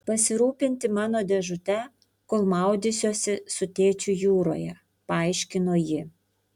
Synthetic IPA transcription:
pɐsʲɪɾuːpʲɪnʲt̪ʲɪmɑːnoːd̪ʲɛʒʊt̪ʲɛ | koːlˠmɑˑʊd̪ʲɪsʲoːsʲɪsʊt̪ʲeːt͡ʃʲʊjuːɾo̰ːjɛ | pɐɐˑɪʃʲkʲɪnoːjɪ

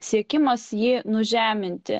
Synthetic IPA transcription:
sʲiɛkʲɪmɐsjiːnʊʒʲæːmʲɪnʲt̪ʲɪ̰

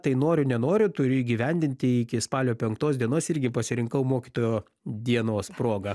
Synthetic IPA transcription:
t̪ɐɪnoːɾʲʊnʲɛnoːɾʲʊt̪ʊɾʲʊiːɡʲiʋʲɛnʲd̪ʲɪnʲt̪ʲɪɪkʲɪspɑːlʲoːpʲɛŋkt̪oːsd̪ʲiɛnoːsɪɾʲɡʲɪpɐsʲɪɾʲɪŋkɐʊmoːkʲit̪oːjoː | d̪ʲiɛnoːspɾoːɡɐ

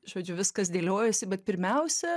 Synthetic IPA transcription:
ʒoːd͡ʒʲʊʋʲɪskɐsd̪ʲeːlʲoːjɛsʲɪbʲɛt̪pʲɪɾʲmʲɛʊsʲɛ

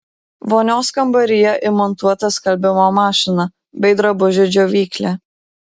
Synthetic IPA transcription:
ʋoːnʲoːskɐmbɐɾʲɪjɛʔɪmɔnt̪uɔt̪ɐskɐlʲbʲɪmoːmɑːʃʲɪnɐ | bʲɛɪd̪ɾɐbʊʒʲɛd͡ʒʲoːʋʲiːklʲɛː

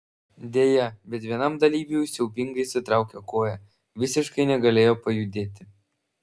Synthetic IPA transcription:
d̪ʲeːjɛbʲɛt̪ʋʲiɛnɐmd̪ɐlʲiːbʲiʊsʲɛʊpʲɪŋɡɐɪsʲɪt̪ɾɑˑʊkʲokoːjɛ | ʋʲɪsʲɪʃkɐɪnʲɛɡɐlʲeːjoːpɐjʊd̪ʲeːt̪ʲɪ

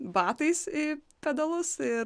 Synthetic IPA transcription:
bɑːt̪ɐɪsɪpʲɛd̪ɐlˠʊsɪ

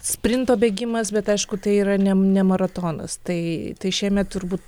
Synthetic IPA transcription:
sʲpʲɾʲɪnt̪oːbʲeːɡʲɪmɐsbʲɛt̪ɐɪʃkʊt̪ɐɪiːɾɐnʲɛnʲɛmɐɾɐt̪oːnɐ̰st̪ɐɪt̪ɐɪʃʲiɛmʲɛt̪̚t̪ʊɾbuːt̪

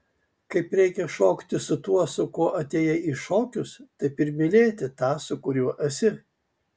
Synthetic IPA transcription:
kɐɪpɾʲɛɪkʲɛʃoːkt̪ʲɪsʊt̪uɔsʊkoːʔɐt̪ʲeːjɛiːʃoːkʲʊst̪ɐɪpɪɾmʲɪlʲeːt̪ʲɪt̪ɑːsʊkʊɾʲuɔʔɐsʲɪ

